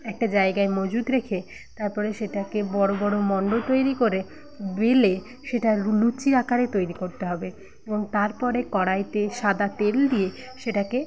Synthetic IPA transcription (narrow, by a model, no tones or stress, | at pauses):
ɛk̚ʈad͡ʑaeɡaemod͡ʑud̪ɾekʰe | t̪aɾpɔɾeʃeʈakebɔɾobɔɽomɔɳɖot̪ojɾikoɾe | bele | ʃeʈalut͡ɕiɾakaɾet̪ojɾikoɾt̪eɦɔbe | eboŋt̪aɾpɔɾekɔɽajt̪eʃad̪at̪eld̪ije | ʃeʈake